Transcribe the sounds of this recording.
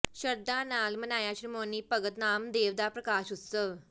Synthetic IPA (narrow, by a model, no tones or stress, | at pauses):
ɕəɾd̪analmənajaɕɾimoniːpəɡət̪namd̪eʋd̪apɾəkaɕut̪sə